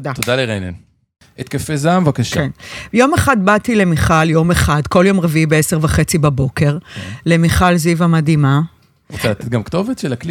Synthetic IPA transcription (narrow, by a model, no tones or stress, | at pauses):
tod̪atod̪aleʁejnḛn | et̪̚kefezamvakaʃkaenjo̞meχad̪batile̞miχaljo̞meχadko̞ljo̞mʁeviibeeseʁvaχe̞t͡sibabo̞ke̞ʁle̞miχalzivamadima | ot͡sɛatet̪̚ɡamkt̪o̞vet̪ʃelakli